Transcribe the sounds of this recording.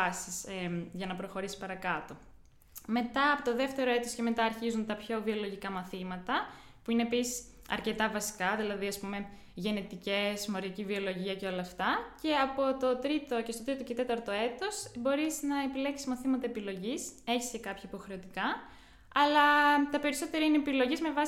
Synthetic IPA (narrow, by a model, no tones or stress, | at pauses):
ɐsisʝɐnɐpɾo̞xo̞ɾisi̥spɐɾɐkɐt̪o̞ | me̞t̪ɐːpo̞t̪o̞ðe̞ft̪e̞ɾo̞e̞t̪osce̞me̞t̪ɐːɾçizunt̪ɐpço̞vio̞lo̞ʝikɐmɐθimɐt̪ɐ | puine̞ːpisi̥s | ɐ̰ɾce̞t̪ɐvɐsi̥kɐðilɐðiɐspume̞ | ʝe̞net̪ice̞smoɾɐcivio̞lo̞ʝiɐceo̞lɐːft̪ɐce̞ɐpo̞t̪o̞t̪ɾit̪o̞cest̪ot̪ɾit̪ocet̪e̞t̪ɐɾt̪o̞e̞t̪o̞sbo̞ɾiznɐepile̞ksi̥zmɐθimɐt̪ɐepilo̞ʝise̞çi̥sce̞kɐpçɐipo̞xɾe̞o̞t̪ikɐ | ɐlɐt̪ɐpe̞ɾiso̞t̪e̞ɾɐineːpilo̞ʝizme̞vɐ